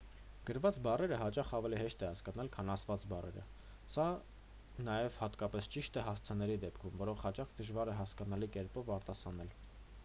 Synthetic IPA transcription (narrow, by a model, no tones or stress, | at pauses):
ɡ̥əɾvɑt͡sbɑrɛɾəɦɑt͡ʃɑχɑvɛliɦɛʃt̪ɛhɑskɑnɑlkʰɑnɑsʰvɑt͡sbɑrɛ̰ɾə̰ | sɑ | nɑjɛvhɑt̪kɑpɛst͡ʃiʃt̪ɛɦɑst͡sʰənɛɾid̪ɛpkʰumvɔɾɔχhɑt͡ʃɑχd̪əʒvɑɾɛɦɑskɑnɑlikɛɾpɔvɑɾt̪ɑsɑnɛl